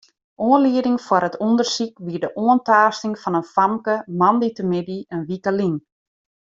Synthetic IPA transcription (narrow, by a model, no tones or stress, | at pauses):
ʔoːənliədɪŋfwaɾətʰundərsikʋiədəʔoəntaːstɪŋfɑnənfamkəmɑnditəmɪdiənʋikəlin